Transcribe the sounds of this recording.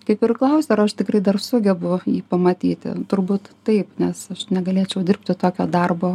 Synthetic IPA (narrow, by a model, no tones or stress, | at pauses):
kɐɪpɪrklˠɐʊsʲeɐrɐʃt̪ʲɪkɾɐɪd̪ɐrsʊɡʲɛbʊjiːpɐmɐt̪ʲiːt̪ʲɪ̰t̪ʊrbuːt̪tɐɪpnʲɛsɐʃnʲɛɡɐlʲeːt͡ʃʲɛʊdʲɪrp̚ʲt̪ʲɪt̪oːkʲoːd̪ɐrboː